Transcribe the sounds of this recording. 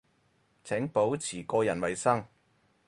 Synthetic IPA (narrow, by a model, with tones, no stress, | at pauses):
t͡sʰɛ˨˥ŋpo˨˥wt͡sʰiː˨˩kɔː˧jɐ˨˩nwɐ˨˩jsɐ˥ŋ